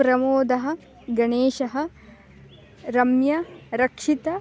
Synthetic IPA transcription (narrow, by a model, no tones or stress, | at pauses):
ɾɐmoːd̪ɐɦɐ̆ | ɡɐɳeːʃɐɦɐ̆ | ɾɐmjɐɾɐkʂit̪ɐ